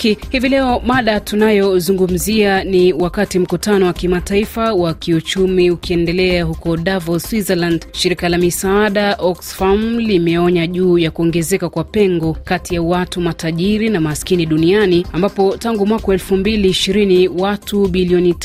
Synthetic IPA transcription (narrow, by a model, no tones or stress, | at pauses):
hivilɛɔɓaɗatunajɔzuŋɡum̩zianiwakatim̩kutanɔwakimataifawakiut͡ʃumiukiɛndɛlɛaɦukɔɗavɔswizɛlandʃiɾikalamisaaɗaʔɔksfamlimɛɔɲaʄuːjakuɔŋɡɛzɛkakwapɛŋɡɔkatijawatumataʄiɾinamaskiniɗunianiambapɔtaŋɡumwakaɛlfumbiliːʃiɾiniwatuɓiliɔnit